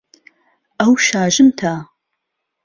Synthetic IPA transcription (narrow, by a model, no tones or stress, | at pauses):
ɐwʃaːʒɨmtʰaː